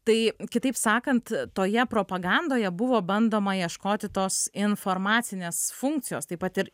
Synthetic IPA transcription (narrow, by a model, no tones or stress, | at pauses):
t̪ɐɪkʲɪt̪ɐɪpsɑːkɐnt̪t̪oːjɛpɾoːpɐɡɑnd̪oːjɛbʊʋoːbɐnd̪oːmɐjiɛʃkoːt̪ʲɪt̪oːsɪnfoːɾmɑːt̪sʲɪnʲeːsfʊŋk̚t̪sʲɪjoːst̪ɐɪpɐt̪ɪɾ